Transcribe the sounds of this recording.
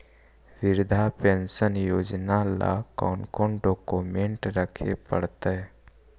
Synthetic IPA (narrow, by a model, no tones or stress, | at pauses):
ʋɪɾd̪ʱapensənjoːd͡ʒnala̰kɔ̰ːnkoɳɖoːkomẽɳʈɾəkʰepə̰ɽt̪eɦɛ